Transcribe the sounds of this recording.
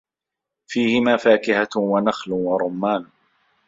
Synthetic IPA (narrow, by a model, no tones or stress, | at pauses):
fiːhɪmaːfaːkɪhawanaxlwɑɾˤʊmːaːn